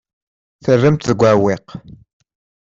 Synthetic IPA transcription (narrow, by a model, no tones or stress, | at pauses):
θərːəmt̪ðəɡʷæwɪq